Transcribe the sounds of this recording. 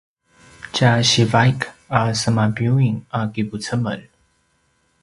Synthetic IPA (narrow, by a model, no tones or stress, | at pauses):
t͡ɕaɕivajkasəmabjuiŋakibut͡səmə̰l